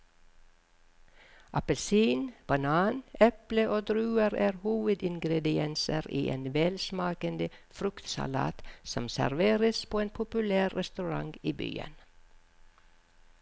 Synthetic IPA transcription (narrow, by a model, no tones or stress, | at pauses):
ʔɑpəlsiːnb̥ɑnɑːnɛpləʔoːd̪ɾʉːəɾæːɾhuːʋəd̪ɪŋɡɾɛd̪ɪɛnsəɾḭːʔḛːnʋɛːlsmɑːkənd̪əfɾʉkt̪sɑ̰lɑ̰ːt̪sɔmsæ̰ɾʋeːɾəspʰoːeːnpʰʊpʉlæːɾːɛst̪ʉɾɑ̰ŋɡiːby̰ːə̰n